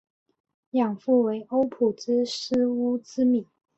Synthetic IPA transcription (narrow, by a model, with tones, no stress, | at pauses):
jɑ˨˩ŋfu˥˩we˧˥ɪʔo˥ʊpʰu˨˩ʈ͡ʂ̩˥ʂ̩˥u˥t͡sɹ̩˥mi˨˩˦